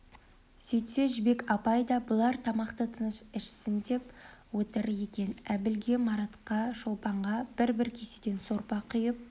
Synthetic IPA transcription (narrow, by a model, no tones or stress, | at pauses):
sɵjt̪se̞ʒɪbe̞kɑpɑjd̪ɑbʊlˠɑɾt̪ʰɑmɑqt̪ət̪ʰənəʃɪʃsɪnd̪e̞pwot̪əɾje̞kʲe̞næbɪlɡʲe̞mɑɾɑt̪qɑʃolˠpɑɴʁɑb̥ɪɾbɪɾkʲʰesed̪e̞nso̞ɾpɑqʰʏjəp̚